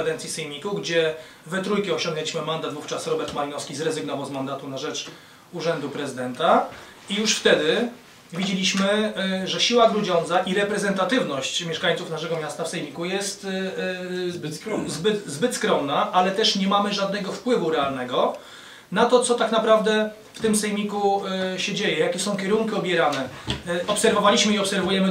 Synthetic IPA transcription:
ad̪ɛnt̪sʲjisɛjmʲikuɡd͡ʑɛ | vɛt̪ɾujkʲiɔɕɔ̃ŋɡnɛlʲiɕmɘmand̪at̪vuft͡ʂasɾɔbɛɾt̪malʲinɔskʲizɾɛzɘɡnɔvawzmand̪at̪unaʐɛt͡ʂ | uʐɛnd̪upɾɛzɨd̪ɛnt̪a | ijuʂft̪ɛd̪ɘ | vʲid͡ʑelʲiɕmɘʐɛɕiwaɡɾud͡ʑɔnd̪zaʔiɾɛpɾɛzɛnt̪at̪ɘvnɔɕt͡ɕmjɛʂkaɲʲt̪sufnaʂ̬ɛɡɔmʲjast̪afsɛjmʲikujɛst̪ | zbɘt̪zbɘt̪skɾɔmnaʔalɛt̪ɛʂɲɛmamɘʐad̪̚nɛɡɔfpwɘvuɾɛalnɛɡɔ | nat̪ɔt̪sɔt̪aknapɾavd̪ɛ | ft̪ɘmsɛjmʲikuɕɛd͡ʑejɛjakʲɛsɔ̃w̃kʲɛɾuŋkʲiɔbʲjɛɾanɛɔpsɛɾvɔvalʲiɕmɘiɔpsɛɾvujɛmɘ

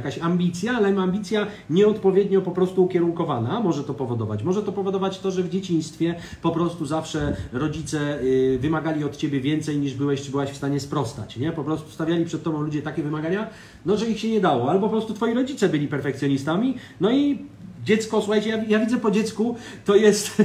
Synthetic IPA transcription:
kaɕamʲbʲit̪sʲjalɛmambʲit̪sʲja | ɲɛɔt̪pɔvʲjɛd̪ɲɔpɔpɾɔst̪uːkʲɛɾuŋkɔvanamɔʐɛt̪ɔpɔvɔd̪ɔvat͡ɕmɔʐɛt̪ɔpɔvɔd̪ɔvat͡ɕt̪ɔʐɛvd͡ʑet͡ɕĩj̃st̪fʲjɛpɔpɾɔst̪uzafʂɛɾɔd͡ʑit̪sɛvɘmaɡalʲiɔt̪t͡ɕɛbʲjɛvʲjɛnt̪sɛjɲiʐbɘwɛɕt͡ʂɨbɘwaɕfst̪aɲɛspɾɔst̪a̰t͡ɕɲɛpɔpɾɔst̪u̥st̪avʲjalʲipʂɛt̪̚tːɔbɔ̃w̃lud͡ʑɛt̪akʲɛvɘmaɡaɲa | nɔʐɛixɕɛɲɛd̪awɔalɛbɔpɔpɾɔst̪ut̪fɔjiɾɔd͡ʑit̪sɛbɘlʲipɛɾfɛk̚t̪sʲjɔɲist̪amʲi | nɔid͡ʑɛt̪skɔsuxajt͡ɕɛjavʲjavʲid̪zɛpɔd͡ʑɛt̪sku | t̪ɔjɛst̪

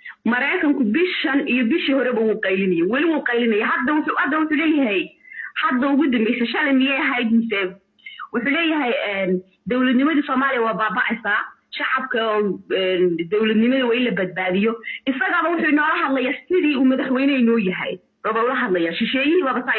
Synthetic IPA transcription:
mɐɾɛjkʰɐŋkʰʊbɪʃɐnijɔbɪʃiːhɔɾɛbɐwuːqɑjlɪnɐjɛwɛlɪwuːqɑjlɪnɐjɛɦɐd̪ːɐwħhɐd̪ɐwʊħuːlɛːjɐɦɛjhɐd̪ɐʊɣʊd̪ɐmbɛjsɐʃɐlɛmɪjɛɦɛjd̪mɪsɛb | wʊħuːlɛːjɐɦɛjɛːn | d̪ɔwlɐd̪nɪmɐðisɔːmaːlɪjɐwɑːbaːbɑʔɛsaː | ʃɑʕɑb̚kʰɐɔːɛnd̪ɔwlɐd̪nɪmɐðɐwaːɪlɐbɐd̪̚baːðɪjɔʔɪsɐɣɐβɐwʊħuːnɔːlɐɦɐd̪lɐjaːsɪðiːuːmɐðɐħwɛjnɛnɔːjɐɦɛ̰j | ɔβaʊlɐɦɐd̪lɐjaːʃɪʃɛːjɪhiβaːβɐsaː

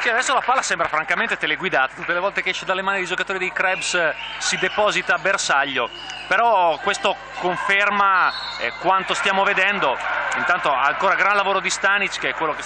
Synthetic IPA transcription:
siad̪ɛsːolapalːasɛmbɾafɾaŋkament̪et̪eleɡwid̪aːt̪at̪ut̪ːelevɔlt̪ekeɛʃːed̪alːemaːnid̪id͡ʒokat̪oːɾid̪ejkɾɛbssid̪epɔːzit̪aːbersaʎːo | peɾɔkwest̪o | koɱfermaɛkwant̪ost̪jaːmoved̪ɛnd̪oint̪ant̪oaːŋkoːɾaɡɾanlavoːɾod̪ist̪anit͡ʃkeɛkwelːoke

